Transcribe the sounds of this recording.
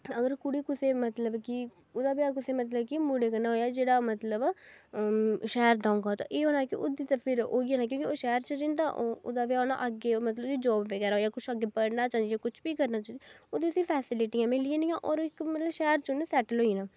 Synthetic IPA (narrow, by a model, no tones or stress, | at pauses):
əɡəɾkʊɽiːkʊseːmət̪ləbki | ʊd̪aːbjaːkʊseːmət̪ləbkimuɽeːkənaːɦoːjaːd͡ʒeːɽaːmət̪ləb | ʃɛːɾd̪ãːŋɡaːt̪ã̰ːʔeːɦoːnaːkɪʔʊd̪iːt̪apʰɪɾo̰ːiãːnaːk̬jõːkioːʃɛːɾt͡ʃəd͡ʒɪ̃nd̪aːʔoʊ̰d̪aːʋjaːona̰ːʔəɡeːmət̪ləbd̪iːd͡ʒɔːbʋeɡɛːɾaɦoːjaːkʊt͡ʃʰaɡeːpəɽnaːt͡ʃaːnd̪ijaːkʊt͡ʃʰbiːkəɾnaːt͡ʃãːd̪ioːd̪iːəsiːpʰɛːsɪlɪʈɪːãːmɪliẽːnɪjãːʔɔːɾoɪkmət̪ləbʃɛːɾt͡ʃʊnesɛːʈəlɦoːinãː